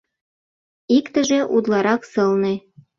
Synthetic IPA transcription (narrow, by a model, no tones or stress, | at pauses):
ikt̪ə̆ʒeʔud̪lɑɾɑksɤ̆lne